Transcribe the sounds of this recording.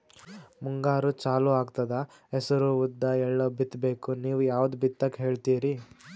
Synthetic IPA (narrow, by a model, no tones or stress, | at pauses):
muŋɡaːɾut͡ʃaːluaːɡt̪ɐd̪ɐ | ɛsɐɾuud̪ːɐɛɭːɐbit̪ːbe̞ːkuniːʋujaːʋud̪ubit̪ːɐkɦe̞ːɭt̪iːɾi